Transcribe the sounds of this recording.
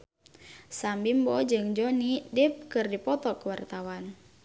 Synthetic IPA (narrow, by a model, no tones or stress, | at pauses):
sambimbɔd͡ʒɨŋd͡ʒonidɪp̚kɨrdipɔt̪ɔkəwart̪awan